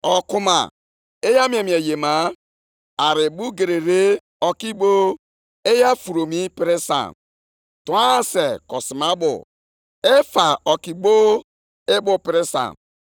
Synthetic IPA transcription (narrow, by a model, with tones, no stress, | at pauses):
ɔ˨kʊ˦ma̰˨ | e˦ja˦m˦e˨mi˨e˨je˨ma˨˦ | a˨ɾɪ˨bu˦ɡe˨ɾe˨ɾe˦ | ɔ˨ki˦ɡ͡bo˦ | e˦ja˦fu˨ɾo˨mi˦pɪ˦ɾɪ˦sa̰˨n | ta˦˨se˨kɔ˨si˨ma˦bʊ̰˨ | e˦fa˨ɔ˨ki˨ɡ͡bo˦ | e˦bʊ˦pɪ˨ɾɪ˦sa̰˨n